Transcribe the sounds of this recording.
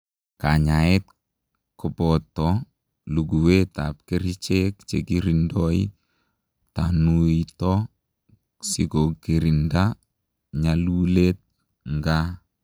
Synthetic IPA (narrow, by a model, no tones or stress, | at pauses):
kaɲaɛt̚ | kɔpɔtːɔ | luɡuweta̰p̚keɾit͡ʃekt͡ʃekiɾindɔḭ | tanuitɔ | siɡokiɾinda | ɲalulet̚ | ŋɡa